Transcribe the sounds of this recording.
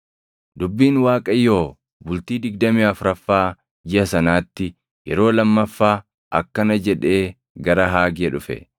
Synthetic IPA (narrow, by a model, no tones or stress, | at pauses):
d̪ʊbːiːnwaːkʼɐjːo̞ː | bʊlt̪iːd̪ɪɡ̚d̪ɐmiːɐfʊɾɐfːaː | d͡ʒɪɐsɐnaːt̪ːɪ | jɛ̰ɾo̞ːlɐmːɐfːaː | ʔɐ̰kːɐnɐd͡ʒɛᶑe̞ː | ɡɐɾɐɦaːɡɪɐᶑʊfɛ̰